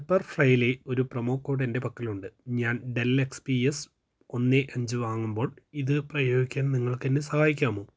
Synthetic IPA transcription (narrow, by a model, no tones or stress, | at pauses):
pːɐrfrɐjile̞o̞ɾuprɐmo̞ːkːo̞ːɽende̞pɐkːiluɳɖɨɲaːnɖelekspies | o̞nːeʔɐɲd͡ʑɨʋaːŋːumbo̞ːɭiðɨprɐjo̞ːɡikʲːaːnniŋːɐɭkːenːesɐhaːjikʲːaːmo̞ː